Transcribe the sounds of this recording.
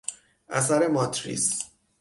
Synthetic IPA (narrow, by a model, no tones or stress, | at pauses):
ʔæ̰sæɾe̞mɒt̪ʰɾḭːs